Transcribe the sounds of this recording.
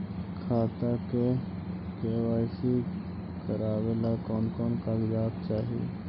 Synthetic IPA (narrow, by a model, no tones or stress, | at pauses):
kʰaːt̪ake | keːwaːɪsi | kəɾaːwelakɔːnkɔːnkaːɡd͡ʒaːb̚t͡ʃaːɦiḛ